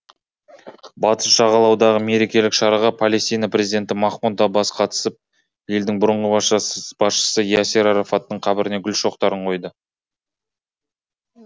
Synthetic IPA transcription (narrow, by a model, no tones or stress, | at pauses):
bɑt̪əsʃɑʁɑlˠɑwd̪ɑʁəme̞ɾe̞kʲe̞lɪkʃɑɾɑʁɑpʰale̞st̪ijnaprʲe̞zid̪e̞nt̪ɪmɑχmunt̪ɑbɑsqʰɑt̪ə̥səp̚ | je̞ld̪ɪŋbʊɾəɴʁəbb̥ɑsʃə̥səjaseɾaɾafat̪ːəɴqʰɑbɪɾɪne̞ɡʲʏlʃo̞qt̪ɑɾəɴqʰo̞jd̪ə